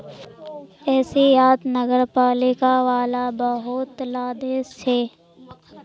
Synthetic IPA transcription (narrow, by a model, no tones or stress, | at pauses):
ɛːsijaːd̪nəɡəɾpaːlɪkaʋaːlabɐɦʊt̪laːd̪eseː